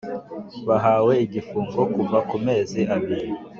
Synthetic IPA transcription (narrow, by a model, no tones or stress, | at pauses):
βaɦaːwe̞iɟifuːŋɡo̞kuvakume̞ːziʔaβiɾi